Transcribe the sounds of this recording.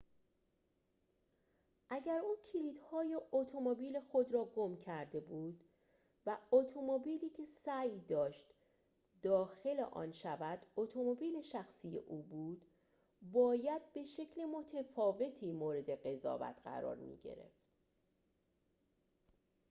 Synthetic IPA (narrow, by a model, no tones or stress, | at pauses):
ʔæɟæɾuːncʰiliːd̪̥hɒːjeʔot̪ʰomobiːlexo̞d̪ɾɒːɡomcʰæɾd̪e̞buːd̪ | væot̪ʰomobiːliːcʰe̞sæjd̪ɒːʃt̪ | d̪ɒːxe̞lḛʔɒ̰ːnʃævæd̪̥ot̪ʰomobiːle̞ʃæxsiːjḛʔuːbuːd̪̥ | bɒːjæd̪̚be̞ʃe̞cʰlemo̞t̪ʰefɒːve̞t̪ʰiːmoːɾe̞d̪e̞ɣe̞zɒ̰ːvæ̰t̪ʰɢæ̰ɾɒ̰ːɾmḭːɟḛɾe̞̰ft̪